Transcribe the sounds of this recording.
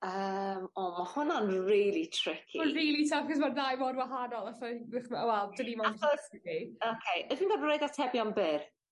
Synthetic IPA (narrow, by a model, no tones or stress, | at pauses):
əmɔːmahʊnanriːlˠitʰr̥ɪkʰiriːlˠitʰafkɔs̬manðajvoːdwaɦanɔlˠataɪχmawɛlˠd̥ənimanpʰsiokʰejəðinɡɔdrojðatʰɛbjɔnbɪr